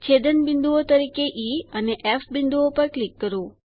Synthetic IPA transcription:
t͡ʃʰed̪ənbɪ̃nd̪uot̪əɾikeʔiəneʔɛfbɪ̃nd̪uopəɾklikːəɾo

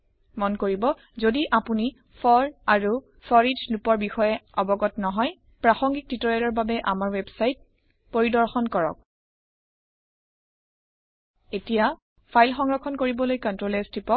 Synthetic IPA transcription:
mɔnkoɹibɔ | zodiʔapuni | fʰɔɹaɹu | sɔɹizlupɔɹbixɔjɛɔbɔɡɔtnɔɦɔj | pɹaxɔŋɡik̚titɔɹɛlɔɹbabɛʔamaɹwebsajt̚ | poɹidɔɹxɔnkɔɹɔ̰k̚ | etija | pʰajlxɔŋɹɔkʰɔnkoɹibɔlojkɔntɹolɛstʰipɔk̚

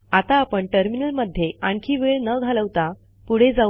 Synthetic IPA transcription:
at̪aːpəɳʈəɾminəlməd̪ʱjeʔaɳkʰiːʋeɭnəɡʱaləʋt̪a | puɽ̤ed͡za

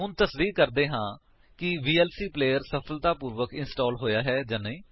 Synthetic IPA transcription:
ʊnt̪əsd̪iːk̚kəɾd̪eːɦãː | kɪʋiːɛːlsiːpleːjəɾsəpʰəlt̪aːpuːɾʋəkɪnsʈɔːlɦoːjaːɦɛːd͡ʒanəĩː

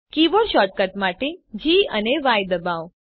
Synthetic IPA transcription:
kiʋoɽʃɔʈ̚kəʈmaʈed͡ʒiəneʋajd̪əbaʋ

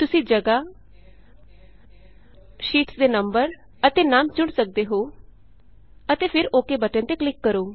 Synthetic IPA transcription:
t̪ʊsĩːd͡ʒəɡaː | ʃiːʈsd̪eːnəmbəɾ | ət̪eːnaːmt͡ʃʊɽsək̚d̪eːɦoː | ət̪eːpʰɪɾoːkeːbəʈẽt̪eːklɪkːəɾoː

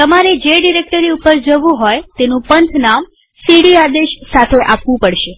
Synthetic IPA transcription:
t̪əmaɾed͡ʒeɖiɾek̚ʈəɾiupəɾd͡ʒəʋũɦojt̪enũpənt̪ʰnam | siɽiad̪eʃsat̪ʰeʔapʋũpəɽʃe

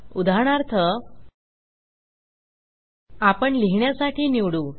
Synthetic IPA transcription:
ud̪ʱaɳ̃aɾt̪ʰə | apəɳliɦɳjasaʈʰiːniʋɽuː

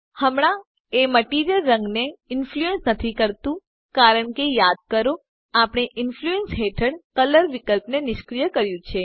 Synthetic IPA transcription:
həmɽ̃ã | eməʈiɾijəlɾəŋɡneɪnfluensnət̪ʰikəɾt̪ũ | kaɾəɳkejad̪̚kəɾo | apɳ̃eʔɪnfluensɦeʈʰəɽkələɾʋɪkəlpnenɪʃkɾijəkəɾjũt͡ʃʰe

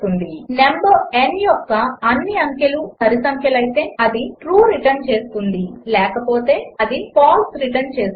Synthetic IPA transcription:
k̪und̪inemboːenjɔkːɐːnːiɐŋkjɐlusɐɾisɐŋkʰjɐlɐjt̪e̞ːɐd̪iʈɾuːɾiʈɐɾnt͡ʃe̞ːsu̥k̪und̪ilɛːkɐpoːt̪e̞ːɐd̪ipaːlsɾiʈɐɾnt͡ʃe̞ːs

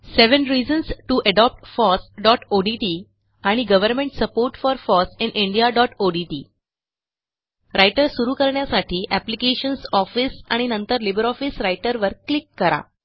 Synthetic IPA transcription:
seʋənɾid͡ʑənsʈuʔəɖɔp̚ʈfɔsɖɔʈoɖiʈi | aɽ̃iɡəʋəɾmẽɳʈsəpoɾʈfɔɾfɔsĩnʔiɳɖijaɖɔʈoɖiʈiː | ɾʔajʈəɾsuɾuːkəɾɳjasaʈʰiːʔæplikeɕənsɔfisa̰ɽ̃inənt̪əɾlibəɾɔfisɾajʈəɾʋəɾklikːəɾa̰

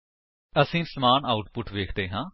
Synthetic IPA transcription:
əsĩːsəmaːnaːʊʈpʊʈʰʋeːkʰd̪eːɦãː

